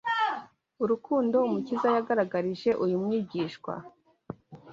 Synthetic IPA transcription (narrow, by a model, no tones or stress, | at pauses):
uɾukuːndo̞umucizajaɡaɾaɡaɾiʒe̞ʔujumŋiːɟiːʃkwa̰